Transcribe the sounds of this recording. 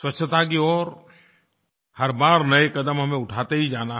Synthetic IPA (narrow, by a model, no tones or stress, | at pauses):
swɐt͡ʃʰət̪akiɔːɾ | hɐɾbaːɾnɐekɐd̪əmɦɐmẽʊʈʰaːt̪eɦid͡ʒaːna